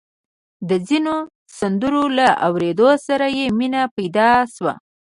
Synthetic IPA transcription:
d̪əzino | sand̪uɾolaʔa̰wɾed̪osaɾajeminapajd̪ɑʃwa̰

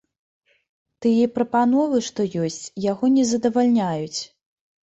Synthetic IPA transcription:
t̪ɨjɛpɾɐpanɔvɨʂt̪ɔjɔsʲt͡sʲjaɣɔnʲɛzɐd̪ɐvalʲnʲajut͡sʲ

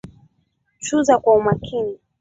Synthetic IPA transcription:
t͡ʃuzakwaumakʰini

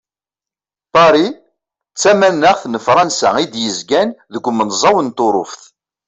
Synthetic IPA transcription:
pɑɾi | t͡sːæmænːəʁθnəfɾˤɑnsæ̰id̪jəzɡænðəɡʷːmənzˤɑwənt̪oɾˤʊfθ

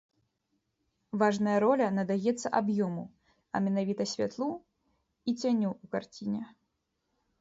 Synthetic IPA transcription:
vaʐnɐjɐɾɔlʲɐnɐd̪ajɛt̪sːɐ̰ʔabjɔmu | ɐ̰mʲɛnavʲit̪ɐsʲvʲa̰t̪lˠu | it͡sʲanʲuukart͡sʲinʲɛ

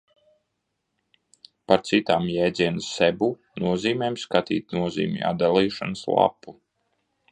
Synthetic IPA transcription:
paɾt̪sit̪aːmjɛːd̪ziɛnɨsɛbu | nuɔziːmʲeːmskat̪ḭːt̪̚nuɔzḭːmʲḭa̰d̪d̪alˠiːʃanəslˠa̰pːu

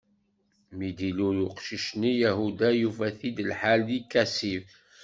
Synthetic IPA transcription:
mid̪iluɾʊqʃiʃnijæɦud̪æjufæθid̪əlħaljikːæsiv

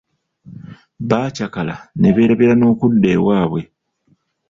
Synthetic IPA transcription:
βaːcakala̰ne̞βe̞ːɾaβeɾano̞ːkudːe̞ːwaːβwe

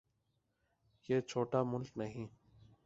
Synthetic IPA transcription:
jeːt͡ʃʰoːʈaːmʊlknəɦĩː

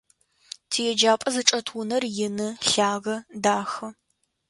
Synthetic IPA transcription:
tʰijɛd͡ʒaːpʼɐzɨʈ͡ʂʼɐtʰwʊnɐrjɪnɨɬaːʁɐdaːxɐ

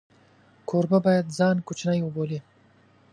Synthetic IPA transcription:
kʰoɾbabɑjad̪zankʰut͡ʃnajoboli

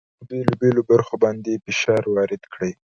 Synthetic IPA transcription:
belobelobaɾxobɑnd̪epɪʃɑɾwɑɾɪd̪kɽəj

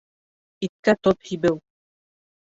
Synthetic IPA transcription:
it̪̚kæt̪op̪hibɘw

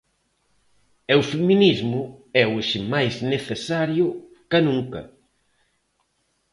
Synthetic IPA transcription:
ɛwfeminizmʊɛweʃɪmajzneθesaɾjʊ | kɐnũŋkɐ̰

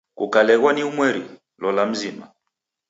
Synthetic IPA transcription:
kṵkalɛɣwaniumwɛɾi | lɔlam̩zima

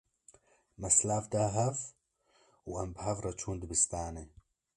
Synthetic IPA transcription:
mɐslaːfd̪aɦɐf | wʔambhavɾˤɑt͡ʃʰuːnd̪bɪst̪aːne

